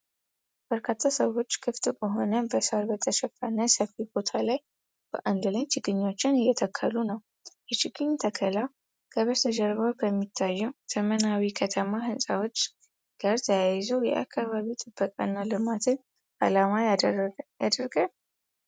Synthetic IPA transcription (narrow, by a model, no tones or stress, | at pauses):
b̥əɾkʰat̪ʰːasəwo̞t͡ʃːkʰɨft̪ʼbəɦo̞nəbəsaɾbət̪ʰəʃɛfanəsəfibo̞t̪ʰalaj | b̥ə̰ʔand̪lajt͡ʃɪɡɨɲːo̞t͡ʃːɪnɨjːɛt̪ʰəkʰːəlunəw | jɛt͡ʃɪɡɨɲt̪ʰəkʰəla | kʰəβəɾt̪ʰəd͡ʒəɾβəwkʰəmːit̪ʰːajːɛwt̪ʰəmənawikʰət̪ʰəmaɦɨnsʼawo̞t͡ʃː | ɡ̥aɾt̪ʰəjajɪzojɛʔa̰kʰːaβaβit̪ʼɨbːəkʼa̰nːalɨmat̪ʰɨn | a̰lama | jad̪əɾɡa